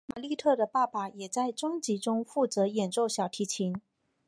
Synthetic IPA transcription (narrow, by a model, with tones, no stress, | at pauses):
ma˨˩li˥˧t̪ʰɤ˥˩d̪ə˩pa˥˩pa˨˩jɛ˨˩t͡sa˥˩ɪʈ͡ʂɤ˥ŋt͡ɕi˧˥ʈ͡ʂʊ˥ŋfu˥˩t͡sɤ˧˥jɛ˨˩nʈ͡ʂo˥˩ʊɕjɑ˨˩ʊt̪ʰi˧˥t͡ɕʰi˧˥n